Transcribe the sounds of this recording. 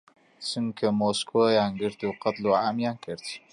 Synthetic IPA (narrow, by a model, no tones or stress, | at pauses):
t͡ʃɨmkʰɐmoːskojaːnɡɨɾt̪uqɐt̪luːʕaːmjaːnkʰɨɾt̪